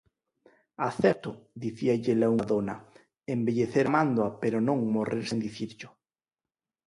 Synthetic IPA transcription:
aθɛɾt̪ʊðiθiaʎelauaðonɐ | embeʎeθeɾamand̪wapeɾonõŋmoreɾsend̪iθiɾʎʊ

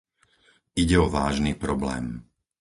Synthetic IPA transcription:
iɟɛɔʋaːʒniːpɾɔblɛ̰ːm

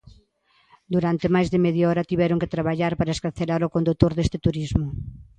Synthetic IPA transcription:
d̪uɾant̪emajzðɪmɛðjaɔɾɐt̪iβɛɾoŋket̪ɾaβ̞aʎaɾpaɾɐeskaɾθelaɾokond̪ut̪oɾðest̪ɪt̪uɾizmʊ

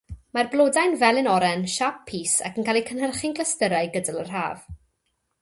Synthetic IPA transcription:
marblˠoːdajnvɛlˠɪnɔɾɛnʃap̚pʰːiːsa̰kənkʰalˠikʰənhərχɪnɡlˠəstəɾajɡədalˠər̥ha̰ːv̥

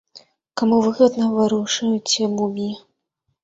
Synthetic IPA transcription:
kamuvɨɣɐd̪nɐvaɾuʂɐjut͡sʲɛmumʲi

